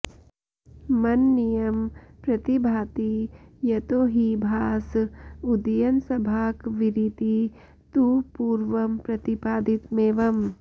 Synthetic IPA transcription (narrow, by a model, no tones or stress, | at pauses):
mɐnːijɐmpɾɐt̪ibʱaːt̪ijɐt̪oːɦibʱaːsud̪ɐjɐnsɐbʱaːkʋiɾit̪i | t̪upuːɾʋɐmpɾɐt̪ipaːd̪it̪meːʋɐm